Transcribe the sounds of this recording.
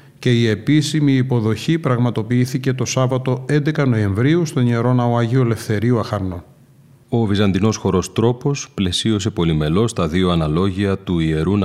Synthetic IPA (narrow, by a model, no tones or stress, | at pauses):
ce̞ie̞pisimiːpo̞ðo̞çipɾɐɣmɐt̪o̞piiθice̞t̪o̞sɐvɐt̪o̞e̞nd̪e̞kɐno̞e̞ɱvɾiust̪o̞nie̞ɾo̞nɐoɐʝiole̞fθe̞ɾiuɐxɐɾno̞ | o̞vizɐnd̪ino̞sxo̞ɾo̞st̪ɾo̞po̞sple̞sio̞s̬e̞po̞lime̞lo̞st̪ɐðio̞ɐnɐlo̞ʝiɐt̪uie̞ɾun